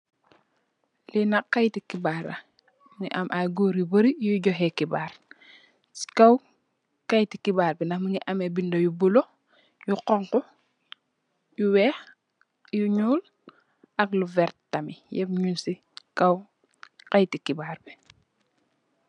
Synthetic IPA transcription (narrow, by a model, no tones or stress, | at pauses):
linakːajtikibaːɾɐ̰ | mŋiʔɐmʔaɡuːɾibɐɾijuɟɔɦɛkibaːɾ | si̥kaw | kajtikibaːɾbɛnaməŋiʔɐmebindojubulo | juqɔŋkɔ | juwɛːx | juɲuːl | ɐkluvɛɾtamijɛpɲunsi | kɐw | kajtikibaːɾbɛ